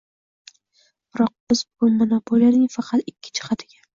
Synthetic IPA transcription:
b̥ɾɒq̚bɪzbʊmonopʰolijanɪŋfɑqʰɑt̪ɪkʲʰːɪ̥t͡ʃʰɪ̥qʰɑd̪ɪɡʲa

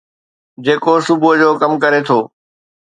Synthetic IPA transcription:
d͡ʑeːkosʊbʱʊd͡ʑoːkɐmkɐɾet̪ʰoː

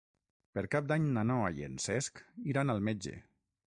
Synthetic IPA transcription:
peɾkap̚d̪aɲnanɔaiḛnsɛskiɾanalˠmed͡ʒḛ

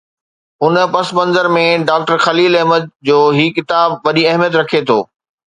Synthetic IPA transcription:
ʊnpɐsmɐ̃nzəɾmẽɖaːk̚ʈəɾxɐliːlɐɦməd͡ʑoːɦikɪt̪aːbʋɐɗiɐɦmijət̪ɾɐkʰet̪ʰo̰ː

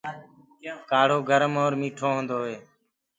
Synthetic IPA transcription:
kaːɽ̤oːɡʱəɾəmoːɾmiːʈʰoːɦə̃ːnd̪oːɦeː

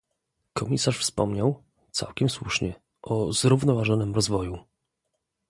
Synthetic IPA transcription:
kɔmʲisaʂfspɔmɲaw | t̪sa̰wkʲɛmswuʂɲɛ | ʔɔzɾuvnɔvaʐɔnɘmɾɔzvɔju

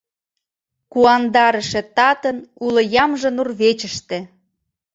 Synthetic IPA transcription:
kuɑnd̪ɑɾə̆ʃĕt̪ɑt̪ənulə̆jɑmʒə̆nurβet͡ɕə̆ʃt̪ĕ

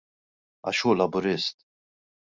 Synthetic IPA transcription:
ɐ̰ʃuːlɐbʊɾɪst̪

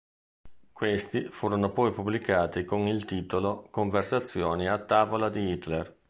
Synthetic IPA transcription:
kwest̪ifuːɾonopɔjpubːlikaːt̪ikonilt̪iːt̪olokoɱversat̪sːjoːniat̪ːaːvolad̪iit̪ler

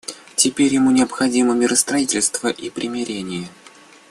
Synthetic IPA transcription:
tʲɪpʲeɾʲjɪmunʲɪəpxɐdʲiməmʲɪɾʔəst̪ɾɐitʲɪlʲst̪vəʔipɾʲʔɪmʲɪɾʲenʲɪjə

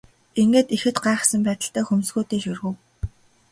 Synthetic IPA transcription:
iŋɡeːt̪ixɘ̆t̪ɢaːχ̆sə̆mpæːt̪ə̆ɬt̪æːxumsɡuːt̪eːʃɵrɣɘ̆w

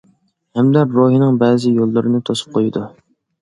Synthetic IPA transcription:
hɛmd̪ɛɾoɦinɨŋbɛːzɪjolˠːɨɾɨnɨt̪ʰosu̥p̚qʰojid̪u

